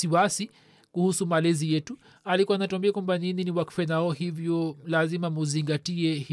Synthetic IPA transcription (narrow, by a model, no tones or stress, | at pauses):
siwasi | kuhusumalɛzijɛtu | alikuwanatuambiakwambanininiwaku̥fɛnaɔhivjɔlazimamuziŋɡatiɛhi